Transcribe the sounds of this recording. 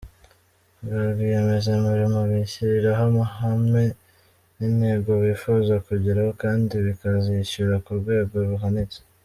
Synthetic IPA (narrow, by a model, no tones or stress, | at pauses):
ɡaɡieme̞zemuɾimoβiçiɾiɾaɦamahame | ninhe̞ːɡo̞βifuːzɡwakuɟiɾahokaːndiβikaziʃuɾakuɾɡwe̞ːɡo̞βuɦanize̥